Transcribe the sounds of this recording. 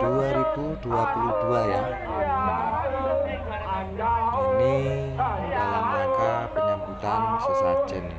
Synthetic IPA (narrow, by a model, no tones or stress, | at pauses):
d̥uaɾibud̪̥uapulud̪̥ulaja | ini | dalaməaŋkapənəmbut̪ansəsḁd͡ʒən